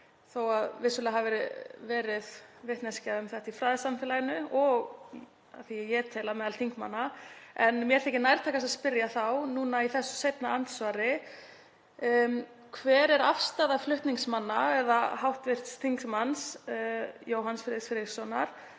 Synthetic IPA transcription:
θowaðvɪsʏlɛaɦavɛɾɪvɛːɾɪðvɪht̪nɛscaʏmθɛht̪ifɾaːðɪsamfɛːlajɪnʏɔɣ | a̰θiɛjɛt̪ʰɛːlamɛðalt̪ʰiŋkma̰nːaɛnmjɛɾ̥θɛhcɪnajɾt̪ʰaːkasaðspɪɾjaθawnuːnaiθɛsːʏ̥sejp̪naant̪svaːɾɪ | kʰvɛːɾɛɾafst̪aːðaflʏht̪niŋsmanːaɛðaɦawht̪vɪr̥t̪st̪ʰiŋksmans | joːwɦansfɾɪsfɪɾɪsɔnːaɾ̥

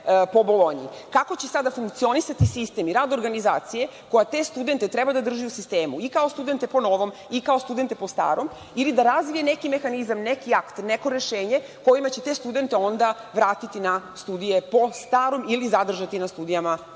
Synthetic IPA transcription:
po̞bo̞lˠo̞ɲḭkako̞t͡ɕesad̪afuŋkt̪sio̞nisat̪isist̪e̞miɾaːd̪oɾɡanizaːt̪sije̞ko̞jat̪e̞st̪ud̪e̞nt̪e̞t̪ɾɛbad̪ad̪r̩ʒiusist̪e̞ːmuikao̞st̪ud̪e̞nt̪e̞po̞no̞ʋo̞mikao̞st̪ud̪ent̪e̞po̞st̪a̰ːɾom | ilid̪aɾazʋijenekime̞xanizamnekiakt̪neko̞ɾe̞ʃe̞ːɲe | ko̞jimat͡ɕe̞t̪est̪ud̪e̞nt̪eo̞nd̪aʋɾaːt̪it̪inast̪uːd̪ije̞po̞st̪aːɾo̞milizad̪r̩ʒat̪inast̪uːd̪ijama

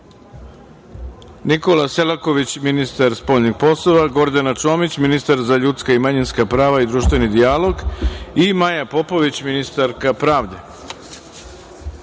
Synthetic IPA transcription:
nikolaselako̞ʋit͡ɕminist̪aɾspoʎniɡ̥po̞slˠoʋaɡo̞ɾd̪anat͡ʃo̞ːmit͡ɕminist̪aɾzaʎut̪skaimaɲinskapɾaːʋaid̪ɾuːʃt̪ʋe̞nid̪ialo̞ɡimajapo̞po̞ʋit͡ɕminist̪aɾkapɾaːʋd̪e̞

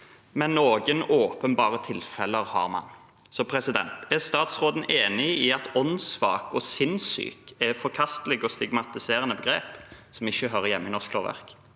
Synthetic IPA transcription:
mɛnːoːɡənoːpənbɑːʁət̪ʰɪlfɛləɾhɑ̰ːɾmɑ̰n | sɔpʰɾɛsɪd̪ɛ̰nt̪æst̪ɑːt̪sʁoːd̪n̩ʔeːnɪiɑt̪ɔnsʋɑ̰ːkɔsɪnsy̰ːkɛfɔɾkʰɑst̪əlɛɡɔst̪ɪɡmɑt̪ɪseːɾənəbəɡɾeːpsɔmɪçːəɦœɾəjɛmːəɪnɔʁskloːʁʋæ̰ʁk

